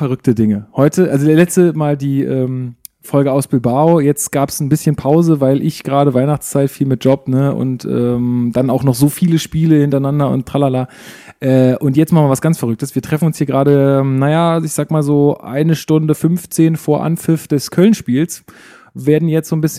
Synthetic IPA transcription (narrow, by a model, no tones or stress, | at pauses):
fɛɐʁʏk̚tədɪŋəhɔʏtʰəʔalzodeːɐlɛt͡stəmaːldiːʔɛːm | fɔlɡəaʊsb̥ɪlbaojɛt͡stɡ̥aːpsn̩bɪsçənpʰaʊzəvaɪlʔɪçɡ̥ʁaːɾəvaɪnaχt͡st͡saɪtfiːlmɪt̚ʒ̥ɔpnəʔʊ̰ntʔɛ̰ːmd̥anaʊxnɔχz̥oːfiːləʃpiːləhɪntɐɪnandɐʊ̰ntʰalalaː | ʔɛːʔʊntjɛt͡stmalmaːvasɡ̥ant͡sfɛɐʁʏk̚təsv̥iːɐtʁ̥ɛfn̩ʊnshiːɐɡʁaːɾəɛːmnajaɪçz̥aːɡəmaːlzoːʔa̰ɪnəʃtʊndəfʏnft͡seːnfoːɐʔa̰nfɪfd̥ɛskʰœlənʃpiːls | veːɐdn̩jɛt͡stz̥oːnbɪsç